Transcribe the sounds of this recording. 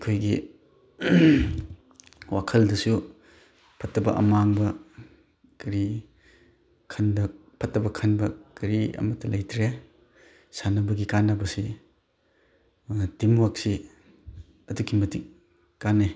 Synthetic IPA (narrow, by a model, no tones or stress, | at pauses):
kʰojɡi | wakʰɐldɐsu | pʰɐtːɐbɐʔɐ̰maŋbɐ | kɐɾi | kʰɐndɐ | pʰɐtːɐbɐkʰɐnbɐkɐɾiɐ̰mɐtːɐlɐjtɾe | sanɐbɐɡikanɐbɐsi | timwak̚si | ɐdukʰimɐtik̚ | kanːe